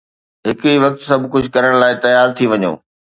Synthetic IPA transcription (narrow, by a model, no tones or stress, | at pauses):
ɦɪkiʋɐk̚t̪sɐbʱkʊd͡ʑʱʊkɐɾəɽ̃laːɪt̪ɐjaːɾt̪ʰiʋɐɲo̰ː